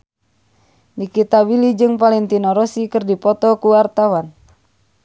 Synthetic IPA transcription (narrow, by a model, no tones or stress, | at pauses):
nikit̪abilid͡ʒɨŋpalɛnt̪inɔɾɔsikɨrdipɔt̪ɔkuwart̪awan